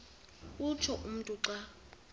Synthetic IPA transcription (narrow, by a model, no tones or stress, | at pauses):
ut͡ʃʰɔʔum̩tʼuǀa